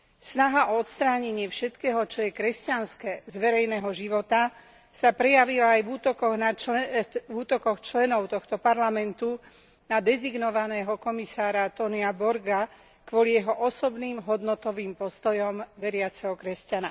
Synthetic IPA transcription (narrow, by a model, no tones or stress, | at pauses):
snaɦaʔɔɔt̪st̪ɾaːɲɛɲɪɛfʃɛt̪kɛːɦɔt͡ʃɔjɛkɾɛscanskɛːzʋɛɾɛjnɛːɦɔʒiʋɔt̪a | sapɾɛjaʋilaːjʋuːt̪ɔkɔɣna | vuːt̪ɔkɔxt͡ʃlɛnɔʊt̪ɔxt̪ɔpaɾlamɛnt̪u | nad̪ɛziɡnɔʋanɛːɦɔkɔmisaːɾat̪ɔniabɔɾɡa | kʋɔlijɛɦɔʔɔsɔbniːmɦɔd̪nɔt̪ɔʋiːmpɔst̪ɔjɔmʋɛɾɪat͡sɛɦɔkɾɛscana